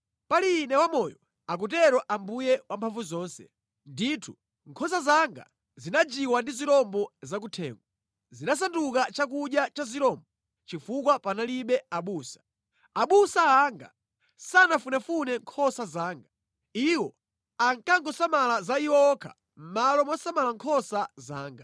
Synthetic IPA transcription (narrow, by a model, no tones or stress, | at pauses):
paliːnɛwamɔjɔ | ak̬ut̬ɛɾɔʔambujɛwampʰaɱvuzɔːnsɛ̥̰ | nditʰu | ŋkʰɔsazaŋɡa̰ | zinad͡ʒiwandiziɾɔmbɔzak̬utʰɛ̰ːŋɡwa | zinas̬andukat͡ʃak̬uɗjat͡ʃaziɾɔmbɔ | t͡ʃifukwapanaliɓɛaɓuːsḁ | aɓusaːŋɡa̰ | sanafunafunɛŋkʰɔsazaːŋɡa | iwɔ | aŋkaŋɡɔsamalazaiwɔɔkʰa̰ | m̩malɔmwasamalaŋkʰɔsazaːŋɡa